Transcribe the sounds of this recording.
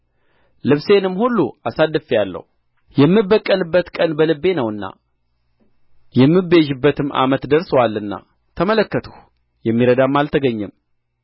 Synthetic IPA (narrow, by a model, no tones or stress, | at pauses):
lɨβse̞nɨmːhulːuʔasad̪ɨfjalːə̰hu | jɛmːɨbːəkʼːəlɨbːət̪kʼənbəlɨbːe̞nəwɨnːa̰ | jɛmːɨbeʒɨbːət̪ʰɨmʔa̰mət̪d̪əɾsəwalːɨnːa̰ | t̪ʰəmələkːət̪ʰuh | jɛmːiɾəd̪amːalt̪ʰəɡəɲːɛm